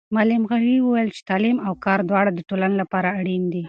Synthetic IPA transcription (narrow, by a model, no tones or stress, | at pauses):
mɑlɪmɣaɾiwəwajəlt͡ʃe̥t̪ɑlimawkɑɾd̪wɑɽad̪əʈolanolapɑɾaːɽind̪i